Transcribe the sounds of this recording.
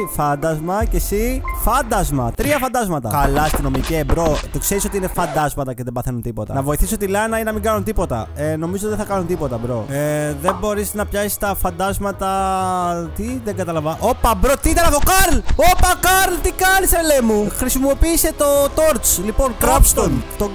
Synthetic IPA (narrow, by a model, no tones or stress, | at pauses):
fɐnd̪ɐzmɐce̞sifɐnd̪ɐzmɐ̰t̪ɾiɐfɐnd̪ɐzmɐt̪ɐ̰kɐlɐst̪ino̞miciebɾo̞t̪okseɾisot̪iine̞fɐnd̪ɐzmɐt̪ɐceðe̞bɐθe̞nunt̪ipo̞t̪ɐ̰nɐvo̞iθiso̞t̪ilɐnɐinɐmiŋɡɐnunt̪ipo̞t̪ɐ̰eno̞mizot̪iðeθɐkɐnunt̪ipo̞t̪ɐbɾo̞eðembo̞ɾisnɐpçɐsi̥st̪ɐfɐnd̪ɐzmɐt̪ɐ | t̪iðeŋɡɐt̪ɐlɐvɐʔo̞pɐbɾot̪iit̪ɐnɐt̪o̞kɐɾlopɐkɐɾlt̪ikɐniselemuxɾisimo̞piːse̞t̪o̞t̪o̞ɾt͡slipo̞nkɾɐpst̪ont̪o